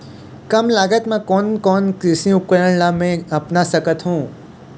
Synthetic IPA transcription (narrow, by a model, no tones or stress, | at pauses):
kɐmlaːɡət̪mãkɔːnkɔːnkɾɪsĩʊp̚kəɾəɳlamẽɐpnasəkət̪ɦũː